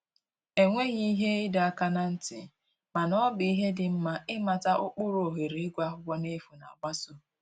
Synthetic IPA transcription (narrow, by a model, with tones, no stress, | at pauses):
e˨ŋʷe˦ɣi˦ɦe˦ɪ˦da˦ka˦na˦n̩˦tɪ̰˨ | ma˨nɔ˦bɪ˨i˦ɦe˦dɪ˨m̩˦ma˨ɪ˦ma˨ta˦ʔʊ˦k͡pʊ˦ɾo˨ɦe˨ɾi˨ɪ˦ɡʷa˦ɦʷʊ˦ɡ͡bɔ˦ne˦fu˨na̰˨ɡ͡ba˦so˦